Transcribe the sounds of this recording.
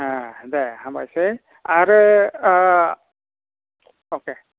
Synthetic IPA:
adɛhãma̰jsɛ | aɾ | oke

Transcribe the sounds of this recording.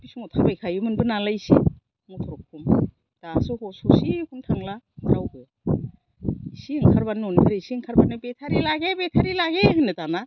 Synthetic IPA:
b̥isuŋɔtʰabajkʰajɯmɯnbɯnalaisi | ŋɔtʰɔɾɔkʰːum | d̥asɔhɔsusikʰuntʰaŋla | maɾawɡɯ | isiŋkʰaɾbanɔnbeɾaisiŋkʰaɾbanɯbetʰaɾilaɡebetʰaɾilaɡeɦɯnɯtana

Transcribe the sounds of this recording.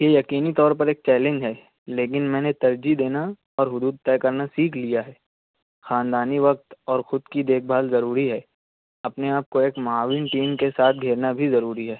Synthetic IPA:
jejɐkiːnit̪ɔːɾpɐɾeːk̚t͡ʃɛːlẽɲd͡ʒɦɛː | leːkɪnmɛ̃ːnet̪ɐɾd͡ʒid̪eːna | ɔːɾɦʊd̪uːd̪̚t̪ɛːkɐɾnasiːkʰlijaɦɛː | xaːnd̪aːniʋɐk̚t̪ɔːɾxʊd̪kid̪eːk̚ʰbʱaːlzɐɾuːɾiɦɛː | ɐpneaːp̚koeːkmaːʋinʈiːmkesaːt̪ʰɡʱeːɾnabʱizɐɾuːɾiɦɛː

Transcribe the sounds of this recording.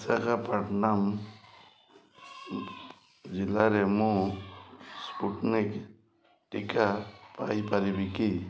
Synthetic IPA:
sakapaʈnam | zilaɾɛmũ | spuʈnik | ʈikapajpaɾibiki

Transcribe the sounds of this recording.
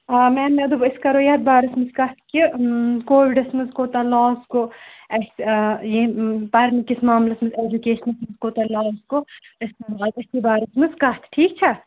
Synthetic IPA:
mɛːneɐd̪ubiskɐɾoːjaːd̪̚baːɾɐsmɨzkɐt̪ʰkʲikoːʋiɖɐsmɨzkoːt̪ɐlaːzkoɐsjipɐɾnikismaːmlɐsmɨzeːd͡ʒukeːʃɐnɐsmɨzkoːt̪ɐlaːzko | ɐsmɐbaːd̪ɐsibaːɾɐsmɨzkɐt̪ʰʈʰiːk̚t͡ʃʰɐ

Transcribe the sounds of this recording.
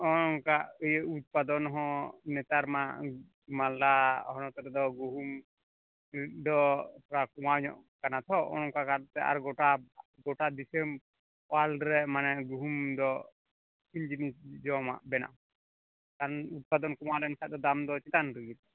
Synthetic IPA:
ɔnɔŋkaəjəut̪̚pad̪ɔnɦɔ̃nɛt̪aɾma | mala̰ɦɔnɔt̪ɔɾɛd̪ɔɡuɦum | d̪ɔpʰɾakumaɲɔ̰ʔkanat̪ʰɔɔ̰nɔŋkakat̪ɛʔa̰ɾɡɔʈa | ɡɔʈad̪isem | walɖɾɛmanɛɡuɦumd̪ɔ | iɲd͡ʒinisd͡ʒɔma̰ʔbɛna̰ʔ | kaɾɔnut̪̚pad̪ɔnkumalɛnkʰad̪ɔd̪amd̪ɔt͡ʃit̪anɾəɡit̪̚

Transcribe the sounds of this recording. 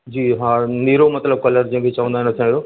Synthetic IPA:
d͡ʑiːɦaːniːɾomɐt̪ləb̚kɐləɾd͡ʑĩːə̃bɪt͡ɕɐʋə̃nd̪aːɦɪnɐt̪ʰjãːijoː

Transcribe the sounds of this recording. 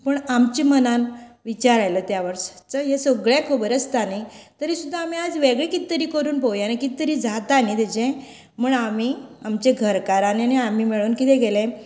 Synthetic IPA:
pəɳamt͡ɕimənanʋit͡ɕaɾajlɔt̪jaʋəɾɕḁt͡səɦesəɡɭjãkʰobəɾəst̪anit̪əɾisud̪ʱːaam̤iad͡zʋeɡɭẽkit̪ːəɾiːkəɾuːnpəwjanekit̪ːəɾiːd͡zʱat̪anit̪ɛd͡ʑẽ | muːɳamiamt͡ɕeɡʱəɾkaɾaneaniam̤imeɭuːnkit̪ɛ̃ɡelẽ

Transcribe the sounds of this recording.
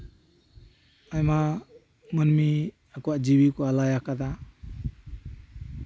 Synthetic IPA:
ajma | mɯnmi | akuwaʔd͡ʒibikualajakʰad̪a

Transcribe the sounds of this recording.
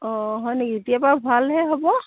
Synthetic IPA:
ɔɦɔjnekiit̪ijapabʱalɦɛɦɔbɔ

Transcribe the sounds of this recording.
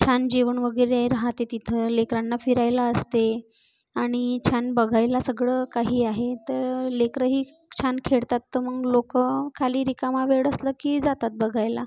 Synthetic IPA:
t͡ɕʰand͡ʑeʋəɳʋəɡəɾeɾaɦat̪et̪it̪ʰəlekɾanːafiɾajlaəst̪e | aɽ̃it͡ɕʰanbəɡʱajlasəɡɭəkaɦiːaɦet̪əɾlekɾəɦiː | t͡ɕʰankʰeɭt̪at̪ːəməɡlokəkʰaliːɾikamaʋeɽəsləkiːd͡zat̪at̪̚bəɡʱajla

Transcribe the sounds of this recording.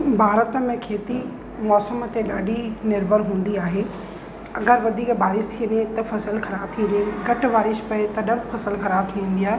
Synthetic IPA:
bʱaːɾət̪əmẽkʰeːt̪i | mɔːsəmt̪eɗaːɗinɪɾbʱəɾɦũːn̆d̪iaːɦe | ɐɡəɾʋɐd̪ʱiːkbʱaːɾɪʃt̪ʰiənet̪ɐfɐsəlxɐɾaːb̚t̪ʰiənẽɡɐʈ̆ʋaːɾɪʃpɐet̪ɐɗɐbfɐsəlxɐɾaːb̚t̪ʰiə̃n̆d̪ijaː

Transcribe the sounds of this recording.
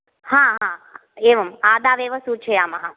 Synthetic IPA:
hãːɦã | eʋɐmaːd̪aːʋeʋəsut͡ʃʰeaːmɐɦa

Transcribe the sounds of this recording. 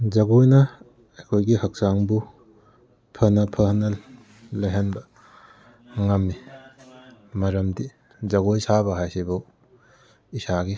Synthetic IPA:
d͡ʒɐɡojnɐ | ɐkʰojɡihɐk̚saŋbu | pʰɐnɐpʰɐnɐ | lajɦanbɐ | ŋɐmːi | mɐɾɐmdi | zɐɡojsabɐɦajsibɐw | isaɡi

